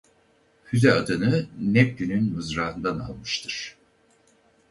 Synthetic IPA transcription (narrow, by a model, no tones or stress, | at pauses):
hyzɛad̪ɯnɯnɛp̚ɟynynmɯzɾaːɯnd̪ana̰lˠmɯʃt̪ʰɯɾ̥